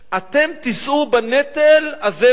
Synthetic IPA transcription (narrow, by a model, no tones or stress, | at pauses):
ʔat̪emt̪isʔubanet̪elaze